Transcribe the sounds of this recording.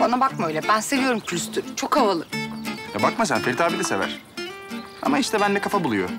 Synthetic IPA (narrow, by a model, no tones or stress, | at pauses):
banabakmøjlʲɛbænse̞vijo̞ɾumkʰlʲyst̪ʰyɾt͡ʃʰo̞kavalˠɯjabakmas̬anfeɾt̪ʰaːbilʲɛse̞væ̰ɾ̥ | a̰maiʃt̪ɛbænd̪ɛkʰafabulˠujo̰